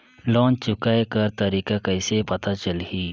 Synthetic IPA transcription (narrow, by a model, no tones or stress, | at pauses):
lɔ̃ːt͡ʃt͡ʃʊkaekɐɾt̪ɐɾiːkakɐɪsepɐt̪at͡ʃəlɦiː